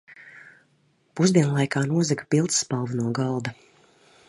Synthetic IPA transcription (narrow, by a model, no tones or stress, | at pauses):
puzd̪ʲiɛnlˠajkaːnuɔzɛkḁpilˠt̪sːpalˠvunuɔɡɑlˠd̪a